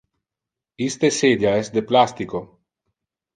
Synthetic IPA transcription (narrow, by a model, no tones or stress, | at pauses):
ist̪esed̪jaɛsd̪eplast̪iko